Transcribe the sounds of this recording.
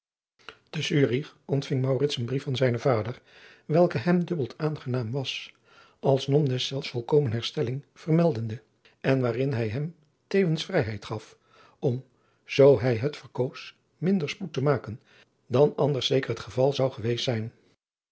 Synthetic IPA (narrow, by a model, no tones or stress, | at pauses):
d̥əsyːriχɔntfɪŋmɑwrɪtsənbrifɑnzɛjnəvaːdəɹ | ʋɛlˠkəɦɛmdɵbəlˠtʰaːnχənaːmʋɑs | ʔɑlˠsnɔmdɛsɛlˠfsfɔlˠkowmənɦɛɹstɛlɪŋv̥ərmɛlˠdəndə | ɛnʋaːrɪnɦɛjɦɛm | tejvənsfrɛjɦɛjtχɑf | ɔm | z̥owɦɛjɦətfəɹkows | mɪndəɹsputəmaːkən | dɑnɑndəɹsejkərɦətχəvɑlˠzɑwχəʋejstsɛjn